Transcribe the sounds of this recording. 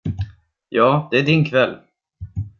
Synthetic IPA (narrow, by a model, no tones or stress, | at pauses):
jɑːd̪̥ɛæɖɪnkʰvɛlː